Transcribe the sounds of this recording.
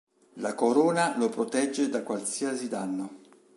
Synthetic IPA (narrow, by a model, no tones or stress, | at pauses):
lakoɾoːnalopɾot̪ɛd͡ʒːed̪akwalsiasid̪anːo